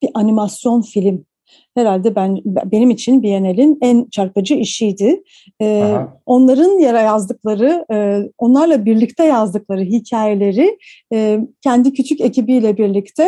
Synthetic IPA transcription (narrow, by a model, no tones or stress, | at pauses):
b̥iʔanimasjo̞nfilʲim | he̞ɾalʲd̪ɛbænbe̞nimit͡ʃʰinbije̞nelʲinænt͡ʃʰaɾpad͡ʒɯiʃijd̪ɪ | o̞nlˠaɾɯnjaɾajazd̪ɯklˠaɾɯo̞nlˠaɾlˠabiɾlʲic̚t̪ʰɛjazd̪ɯklˠaɾɯɦicʰaːje̞lʲe̞ɾɪ | cʰɛnd̪icʰyt͡ʃʰyce̞cʰibijlʲɛbiɾlʲict̪ʰɛ